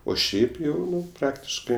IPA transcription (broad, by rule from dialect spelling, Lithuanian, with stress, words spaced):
oː ˈʃʲɛɪp ˈjɛʊ ˈnʊ ˈprɑːktʲɪʃkɜ